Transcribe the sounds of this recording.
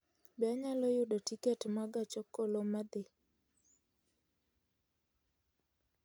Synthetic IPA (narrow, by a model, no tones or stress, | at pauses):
bɛaɲalɔjʊdotiketmaɡat͡ʃɔkolomad̪ɪ